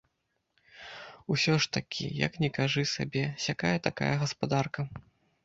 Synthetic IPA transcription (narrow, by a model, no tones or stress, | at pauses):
usʲɔʂt̪ɐkʲʰḭjɐ̰knʲɛkaʐɨsa̰bʲɛsʲakajɐt̪aka̰jɐɣɐspad̪arkɐ